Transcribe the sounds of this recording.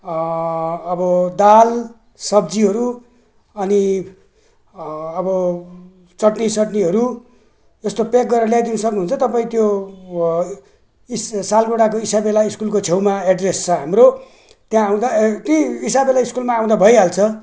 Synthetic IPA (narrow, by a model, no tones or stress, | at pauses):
ʌbʌd̪al | sʌbd͡ziɦʌɾu | ʌni | ʌbʌ | t͡sʌʈnisʌʈniɦʌɾu | est̪opek̚ɡʌrɾʌljad̪inʌsʌknuɦunt͡sʰʌt̪ʌpaĩt̪jo | issalɡoɽakoisabelaiskulkot͡sʰewmaeɖrest͡sʰʌɦamɾo | t̪jãaw̃d̪at̪jʌisabelaiskulmãːw̃d̪abʱʌjɦalt͡sʰʌ